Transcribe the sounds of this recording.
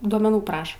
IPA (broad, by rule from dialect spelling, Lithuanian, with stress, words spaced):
duɔmʲɛˈnuː ˈprɑːʃɐ